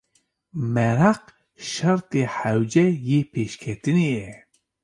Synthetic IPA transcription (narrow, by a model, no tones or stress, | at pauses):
mɛɾaq | ʃɑɾt̪eħæwd͡ʒɛjepʰeːʃkʰɛt̪ɨnijɛ